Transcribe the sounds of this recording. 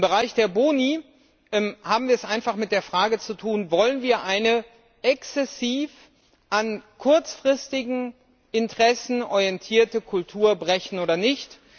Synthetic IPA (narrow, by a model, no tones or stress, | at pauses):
ɪmbəʁ̞aɪçd̥eːɐboːni | ʔɛmhaːbm̩viːɐɛsʔaɪnfaχmɪt̚d̥eːɐfʁ̥aːɡət͡sutʰuːnvɔlənviːɐʔaɪnə | ʔɛksɛsiːf | ʔankʰʊɐt͡sfʁ̥ɪstɪɡŋ̩ | ʔɪntəʁɛsn̩ʔɔʁijɛntʰiːɐtəkʰʊltʰuːɐbʁɛçn̩oːdɐnɪçt